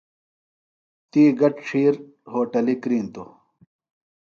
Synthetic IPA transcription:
t̪iːɡɐʈʂʰiːɾ | hoːʈɐlikɾiːnt̪o̰

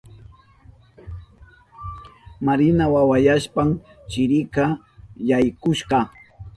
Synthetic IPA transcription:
maɾɪnawawajaʃpam | t͡ʃɪɾɪka | jajkʊʃɢɑ

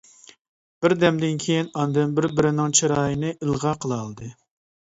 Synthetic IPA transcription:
b̥ɪɾd̪ɛmd̪ɪnkʲʰejinɑnd̪ɛnbɪɾbɪɾɪnɪŋt͡ʃʰiɾɑːjinɨʔɨlˠʁɑqʰəlˠɑlˠd̪ɨ

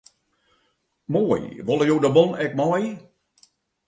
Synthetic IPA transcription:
moəjʋɔlˠəjoːdəbɔnɛk̚mɔj

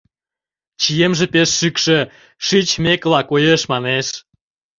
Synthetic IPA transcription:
t͡ɕijemʒĕpeʃːykʃĕ | ʃit͡ɕmeklɑkojeʃmɑneʃ

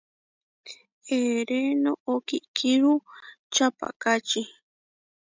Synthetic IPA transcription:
eɾenookikʰiɾu | t͡ʃapa̰kat͡ʃi

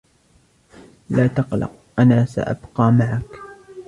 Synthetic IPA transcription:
laːt̪ɑqlɑ̰q̚ | ʔanaːsa̰ʔa̰bqɑːmaʕak

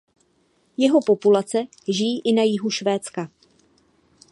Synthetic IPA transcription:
jɛɦo̞po̞pulat͡sɛ | ʒɪjiːʔɪnajɪɦuʃvɛːt͡ska

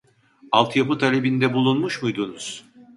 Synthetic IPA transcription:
alˠt̪ʰjapɯt̪ʰalʲebind̪ɛbulˠunmuʃmujd̪unuz̥

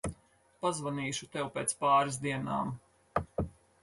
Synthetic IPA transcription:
pazvaniːʃut̪ɛwpʲeːt̪spaːɾiz̬d̪iɛna̰ːm

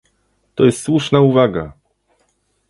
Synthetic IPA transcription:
t̪ɔjɛst̪swuʂnauvaɡa̰

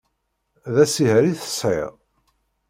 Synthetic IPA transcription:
ðæsihɾiθə̥sˤʕɪ̰ʁ

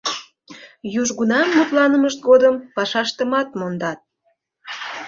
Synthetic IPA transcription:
juʒɣunɑmːut̪lɑnəməʃt̪̚ɡod̪əmpɑʃɑʃt̪əmɑt̪mond̪ɑt̪̚

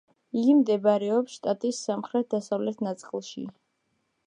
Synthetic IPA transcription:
iɡimd̪ɛbaɾɛɔpsʃt̪ʼat̪ʼisːamχɾɛt̪̚ʰd̪asavlɛt̪ʰnat̪sʼqʼilˠʃḭ

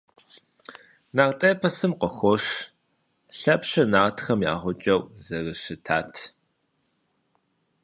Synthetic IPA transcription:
naːrtʼɐːpʰɐsɨmqəxʷɔʂ | ɬɐpɕɐnaːtʰxɐmja̰ːʁʷʊt͡ʃʼɐwzɐrɨʃɨtʰaːtʰ

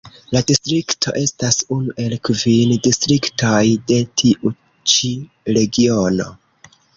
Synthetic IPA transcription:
ladistɾiktʰo̞̰ʔe̞stasunuʔe̞lkvindistɾiktojde̞tʰiʔu | t͡ʃi | ɾe̞ɡio̞no̞̰

